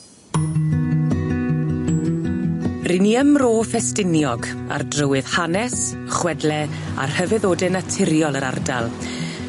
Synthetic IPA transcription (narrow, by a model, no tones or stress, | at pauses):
rɪniəmroːfɛstɪnjɔɡ | a̰rdrəwɨð̥hanɛs | χwɛdlɛ | a̰rhəvɨðoːdɪnatʰɪɾjɔlˠəɾa̰rdalˠ